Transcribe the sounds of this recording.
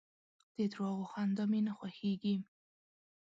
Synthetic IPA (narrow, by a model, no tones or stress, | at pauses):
d̪̥ed̪ɾɑɣoxand̪ɑmenaxwaxeɡi